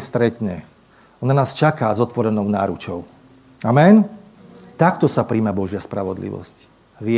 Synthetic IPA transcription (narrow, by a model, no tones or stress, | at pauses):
st̪ɾɛt̪ɲɛ | ɔnanaːst͡ʃakaːzɔt̪ʋɔɾɛnɔʊnaːɾut͡ʃɔʊ | amɛn | t̪akt̪ɔsapɾiːmabɔʒɪaspɾaʋɔd̪lḭʋɔ̰sc | ʋɪɛ